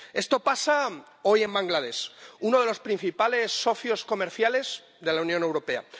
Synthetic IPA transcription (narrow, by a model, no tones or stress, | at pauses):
e̞st̪o̞pasa | o̞je̞mbaŋɡlað̞e̞suno̞ð̞e̞lo̞spɾĩn̟θipale̞sːo̞θjo̞sko̞me̞ɾθjale̞z̥ | ðe̞launjõ̞ne̞wɾo̞pe̞a̰